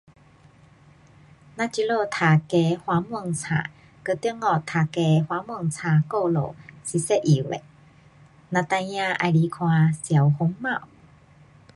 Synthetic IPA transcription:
nã˧t͡ɕi˧lo˥˧t̪ʰa˨˩ke˧hwa˨˦mwɔ˧˨ŋt͡sʰa̰ː˨˩ | kə˧˦t̪ji˧˦ŋɔ˨˩t̪ʰa˨˩ke˧hwa˧˦mwɔ˧˩ŋt͡sʰa˨˩ko˥˧lo̰˨˩si˧˦sɛ˥˧ʔʔi˨wḛ˨ | nã˧t̪ã˧jã˧ʔa̰˧˨jli˧˨˦kʰwã˧sja˨˩whʊ˨˦ŋmã˥˧˨w

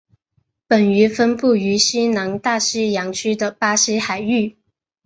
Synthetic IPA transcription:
pə˨˩ny˧˥fə˥npu˥˩y˧˥ɕi˥nɑ˧˥ŋt̪a˥˩ʂ̩˥jɑ˧˥ŋt͡ɕʰy˥d̪ə˨pa˥ʂi˥xa˨˩ɪy˥˩

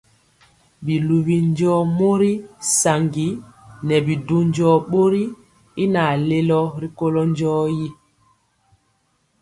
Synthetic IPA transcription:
bi˨lu˨βi˨n˦d͡ʒɔː˦mo˦ɾi˦sa˨ŋɡi˨nɛ˨bi˨du˦ɲd͡ʒɔ˦ɓo˦ɾi˦ | i˦na˨le˦lɔ˦ɾi˦ko˦lɔ˦nd͡ʒɔː˦ji˦

